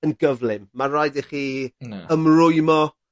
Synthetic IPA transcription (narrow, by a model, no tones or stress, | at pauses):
ənɡəvlˠɪmːarɔjdɪχiːəmrʊɨmɔ